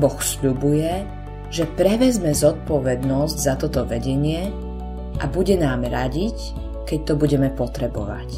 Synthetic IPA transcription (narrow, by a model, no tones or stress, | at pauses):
bɔxsʎubujɛ | ʒɛpɾɛʋɛzmɛzɔt̪̚pɔʋɛd̪nɔzɟzat̪ɔt̪ɔʋɛɟɛɲɪɛ | ʔabuɟɛnaːmɾaɟic | kɛc̚t̪ɔbuɟɛmɛpɔt̪ɾɛbɔ̰ʋa̰c